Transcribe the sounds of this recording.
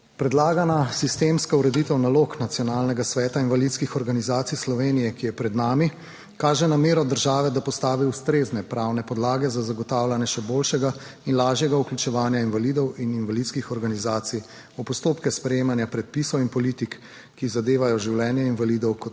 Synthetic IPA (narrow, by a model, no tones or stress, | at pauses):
pɾɛd̪laːɡanasist̪emskauɾɛd̪it̪ɛwnaloːknat̪sijɔnaːlnɛɡasʋɛːt̪ainvalit̪skixɔɾɡanizaːt̪sijslɔʋeːnijɛkijɛpɾɛd̪naːmi | kaːʒɛnameːɾɔd̪əɾʒaːʋɛd̪apɔst̪aːʋiust̪ɾeːznɛpɾawnɛpɔd̪laːɡɛzazaɡɔt̪aːwlanjɛʃɛboːlʃɛɡa | inlaːʒjɛɡauklʲut͡ʃɛʋaːnjainʋaliːd̪ɔwininʋalit̪skixɔɾɡanizaːt̪sij | upɔst̪oːpkɛspɾɛjeːmanjapɾɛt̪̚pisɔwinpɔlit̪ikː | izad̪eːʋajɔʒiwlɛːnjɛinʋaliːd̪ɔwkɔ